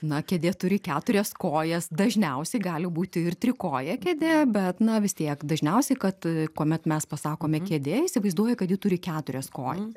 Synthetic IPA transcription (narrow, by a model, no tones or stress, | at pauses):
nɐkʲɛd̪ʲeːt̪ʊɾʲɪkʲæːt̪ʊɾʲɛskoːjɛsd̪ɐʒʲnʲɛʊsʲɛɪɡɑːlʲɪbuːt̪ʲɪɪrt̪ʲɾʲɪkoːjɛkʲɛd̪ʲebʲɛt̪nɐʋʲɪst̪ʲiɛkd̪ɐʒʲnʲɛʊsʲɛɪkɐt̪kuɔmʲɛt̪mʲɛspɐsɑːkoːmʲɛkʲɛd̪ʲeːɪsʲɪʋɐɪzd̪uɔjɛkɐt̪jiːt̪ʊɾʲɪkʲæːt̪ʊɾʲɛskoːjɛ